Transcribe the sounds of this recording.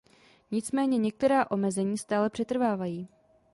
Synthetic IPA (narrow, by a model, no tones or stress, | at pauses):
ɲɪt͡smɛːɲɛɲɛk̚t̪ɛɾaːʔo̞mɛzɛɲiːst̪aːlɛpr̥ɛt̪r̩vaːvajiː